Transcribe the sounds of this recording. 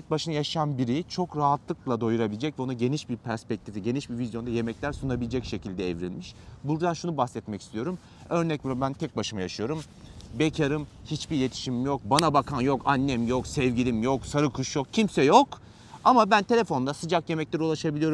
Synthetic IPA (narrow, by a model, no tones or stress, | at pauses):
ɛc̚baʃɯnajaʃɯanbiɾit͡ʃʰo̞kɾaɦat̪lˠɯklˠad̪o̞juɾabilʲed͡ʒɛcvɛonuɟe̞niʃbiɾpʰæɾspɛc̚t̪ʰifiɟe̞niʃbivizjo̞nd̪aje̞mɛclʲæɾsunabilʲed͡ʒɛcʃe̞cʰilʲd̪ɛːvɾilʲmiʃbuɾd̪anʃunubasɛt̪mɛci̥st̪ʰijo̞ɾum | øɾnɛciɾabænt̪ʰɛc̚baʃɯmajaʃɯjo̞ɾum | becʰaɾɯmhit͡ʃbijʲet̪ʰi̥ʃimimjok̚banabakʰanjo̞kanːɛmjo̞ksɛvɟilʲimjo̞ksaɾɯkʰuʃjo̞kcʰimsɛjo̞k | amabænt̪ʰe̞lʲefo̞nd̪asɯd͡ʒakje̞mɛclʲeɾiulˠaʃabilʲijo̞ɾu